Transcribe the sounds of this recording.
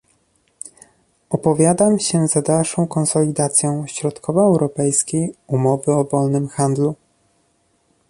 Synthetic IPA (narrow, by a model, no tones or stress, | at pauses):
ɔpɔvʲjad̪amɕɛzad̪alʂɔ̃w̃kɔnsɔlʲid̪at̪sʲjɔ̃w̃ɕɾɔt̪kʰɔvaːwɾɔpɛjskʲejumɔvɘɔvɔlnɘmxand̪lu